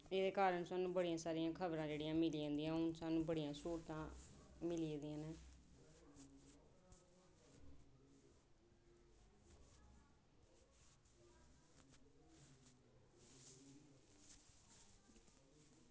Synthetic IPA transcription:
eːd̪eːkaːɾəɳsaːnũːbəɽijãːsaːɾijãːkʰəbɾãːd͡ʒeːɽijãːmɪliːãːnd̪iːãːʊnsaːnũːbəɽijãːsoːɾt̪ãːmɪlied̪iãːnẽː

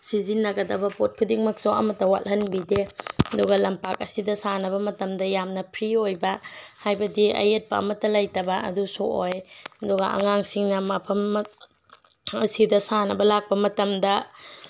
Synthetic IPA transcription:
sizinːɐɡɐdɐbɐpot̚kʰudiŋmɐk̚soɐ̰mɐtːɐwa̰tɦɐnbideɐdɔɡɐlɐmpak̚ɐsidɐsanɐbɐmɐtɐmdɐjamnɐpʰɾiojbɐhajbɐdiɐ̰jet̚pɐɐ̰mɐtːɐlɐjtɐbɐɐ̰dusoʔojɐdɔɡɐɐ̰ŋaŋsiŋnɐmapʰɐmː | ɐsidɐsanɐbɐlak̚pɐmɐtɐmdɐ

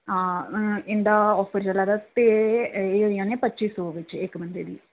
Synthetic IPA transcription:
ɪnd̪aːɔːpʰəɾd͡ʒəlaːd̪at̪eːeːoijãːneːpətːʃiːsoːʋɪt͡ʃɪkːbənd̪eːd̪ḭː

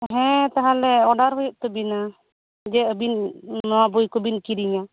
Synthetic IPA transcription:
ɦɛ̃t̪aɦãlɛɔɖaɾɦujɔʔ̚t̪ɔbina | d͡ʒɛəbinnɔabujkɔbinkiɾiɲa

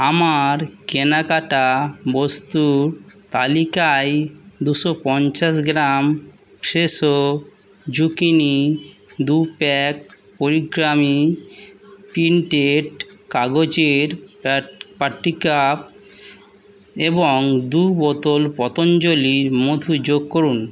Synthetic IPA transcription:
amaɾkenakaʈabost̪uɾt̪alikajd̪uʃɔpɔnt͡ɕas̬ɡɾam | ʃeʃo | d͡ʑukinid̪upɛk̚ | poɾiɡɾami | pinʈeʈkaɡod͡ʑeɾ | paʈːikap̚ | eboŋd̪ubɔt̪olpɔt̪ond͡ʑoliɾmod̪ʱud͡ʑoɡ̚koɾun

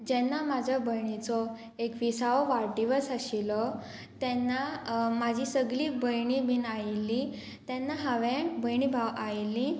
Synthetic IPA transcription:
d͡ʑɛnːamad͡ʑʱabəjɳit͡sɔ | ekʋisaʋʋaɾɖiʋət͡saɕilɔ | t̪ɛnːamad͡ʑʱisəɡɭiːbəjɳibʱinajlːi | t̪ɛnːaɦaʋẽbəjɳibʱawajlːĩ

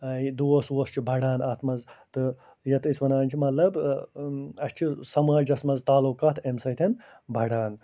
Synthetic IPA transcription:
ɐid̪oːɐswoːst͡ʃʰibʱɐɽaːnaːt̪ʰmɐzt̪ɨ | jɐt̪isʋɐnaːnʲt͡ʃʰimɐt̪lɐb | ɐst͡ʃʰisɐmaːlʲd͡ʒɐsmɐzt̪aːlukaːt̪ʰemsɐt̪ʰɐn | bʱɐɽaːn

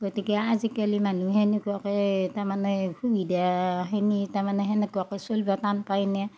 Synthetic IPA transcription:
ɡotikɛazikalimanuɦɛnekuakɛtamanɛkʰubidaɦɛnitamanɛɦɛnɛkuakɛsolbatanpajnɛ

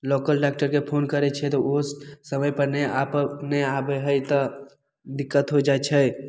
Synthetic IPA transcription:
lokəlɖak̚ʈəɾkepʰonkəɾɛt͡ʃʰɛt̪oosəməjpəɾnɛapnɛabəɦəjt̪ɔ | d̪ɪkːət̪ɦod͡ʒat͡ʃʰɛ

